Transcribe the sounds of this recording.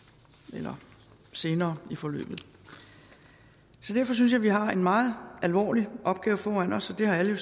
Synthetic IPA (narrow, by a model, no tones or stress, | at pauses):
elɐ | se̝ːnɐːifɒ̽lø̰ːb̥ð̞̩ˠ | sɒ̽d̥æɐfɒ̽s̬yns̬jɑ̈ɪʋiɦɑ̈e̝nmɑ̈ːð̞̩ˠʔælʋɒ̰ːliʔɒ̽b̥̚ɡ̥ɛːʊfɒːænɒ̽sɒ̽d̥e̝hɑ̈æləjo̝